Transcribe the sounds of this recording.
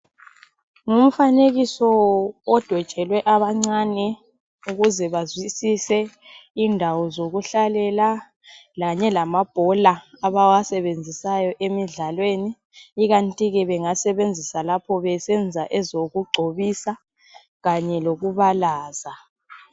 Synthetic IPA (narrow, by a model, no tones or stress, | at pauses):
ŋum̩faneɣisɔɔd̥ʱɔd̥t͡ʃʼɛlwɛʔaβaŋ͡ǀanɛ | uɣuzɛβazwisisɛ | indʱawɔzoɣuɬalɛla | laɲɛlamab̥ʱɔlaaβawasɛβend͡zʱisajɔʔemiɮalweniː | ɣantʼiɣɛβɛŋasɛβend͡zʱisalapʰɔβɛsɛnd͡zʱaʔɛzoɣuɡ͡ǀʱoβisa | ɣaɲɛloɣuβalaːza